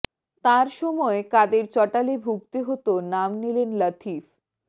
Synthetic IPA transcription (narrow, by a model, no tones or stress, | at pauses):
t̪aɾʃɔmɔekad̪eɾt͡ɕɔʈalebʱuɡ̚t̪eɦot̪onamnilenlət̪ʰif